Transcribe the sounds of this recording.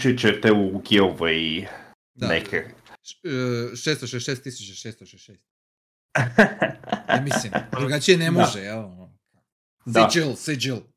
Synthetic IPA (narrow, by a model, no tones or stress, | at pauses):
t͡ʃit͡ʃet̪ɛuɡiovej | d̪anḛkʰe | ʃeːst̪oʃeʃest̪ːisut͡ɕaʃeːst̪oʃeʃeːst̪ | amislimdd̪ɾuɡat͡ʃijenemoʒeelono | kʰa | d̪id͡ʒilˠsed͡ʒilˠ